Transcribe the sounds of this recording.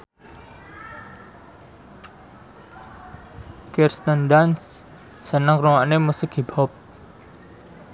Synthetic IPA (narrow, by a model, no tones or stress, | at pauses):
kirst̪ənd̪ansː | ənəŋkruwaʔnemusɪkibɔp̚